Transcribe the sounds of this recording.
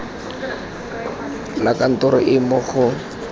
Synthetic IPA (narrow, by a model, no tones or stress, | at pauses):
lakan̩tʊɾʊʔɪmʊχʊ